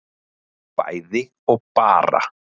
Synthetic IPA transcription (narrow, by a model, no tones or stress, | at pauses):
pa̰jðɪ | opara̰